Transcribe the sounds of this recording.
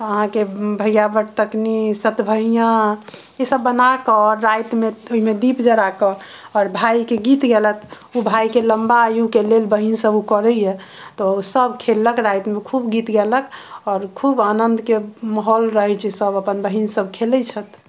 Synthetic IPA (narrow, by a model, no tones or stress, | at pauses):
əɦãkebʱəjjabəʈt̪əknisət̪bʱəɦijã | esəbːənakəɔɾːajt̪meoɦimed̪ipd͡ʒəɽakə | ɔɾbʱajkeɡit̪ɡelət̪ʰ | ubʱajkeləmbaːjukelelbəɦinsəbukɔɾəjɛ | t̪ɔsəbkʰelːəkɾajt̪mekʰubɡit̪ɡeləkɔɾkʰubanənd̪keməɦɔlɾəɦɛt͡ʃʰɛsəbəpənbəɦinsəbʱkʰelət͡ʃʰət̪ʰ